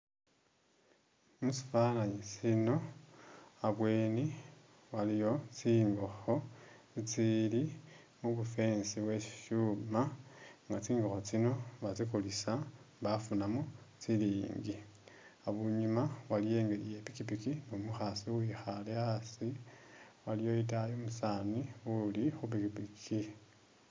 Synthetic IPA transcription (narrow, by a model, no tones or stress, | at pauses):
musi̥falaɲisino̞ | aβweːni | walijo̞t͡siːŋɡo̞xo̞t͡sit͡sili | muβufe̞ːnsiwe̥ʃumaŋɡat͡siːŋɡo̞xot͡sino̞βat͡sikulisamβafunamot͡siliːŋɡi | aβuɲumaβalije̞ːŋɡelije̞pikipikinomuxasiwixaleasi | walijo̞it̬ajomusanwiulixup̬ikipikʰi